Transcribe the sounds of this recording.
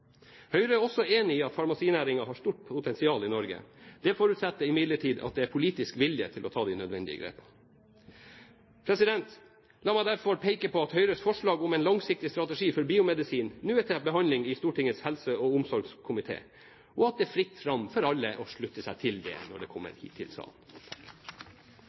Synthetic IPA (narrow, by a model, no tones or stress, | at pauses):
hœʏɾəɔsɔeːnɪiːɑt̪fɑɾmɑsiːnæːɾɪŋɑɦɑʂt̪uːʈ̚pʰʊt̪ʰɛnsɪɑːlɪnɔɾɡə̰d̪̥ɛfoːɾʉt̪sɛt̪ːəɪmɪd̪ləʈʰiːd̪ɑ̰t̪̚d̪ɛæɾpʰʊliːt̪ɪskʋɪljə̰t̪ʰɪlɔt̪ʰɑːd̪ɛnœd̪ʋɛnd̪ɪ̰ə̰ɡɾḛːpə | pʰɾɛsɪd̪ɛnt̪ | lɑːmæɪd̪æɾfɔɾpʰeɪkəpʰɔɑt̪hœʏɾəsfɔʂɭɑːɡʊmɛɪnlɑŋsɪk̚t̪ɪst̪ɾɑt̪ɛʂiːfɔɾbiːʊmɛd̪ɪsiːnnʉːət̪ʰɛbəɦɑnlɪŋɪst̪uːʈɪŋːət̪shɛlsəɔʊmsɔɾɡskʰʊmɪt̪ʰḛː | ɔɑt̪̚d̪ɛæfɾɪt̪ːfɾɑmfɔɾɑlːəʔɔʂɭʉt̪ːəsæɪt̪ʰɪld̪ɛ̰nɔ̰ɖɛkʰɔmːə̰ɾhḭːt̪ʰːɪ̰lsɑ̰ːlnt̪ʰɑ̥k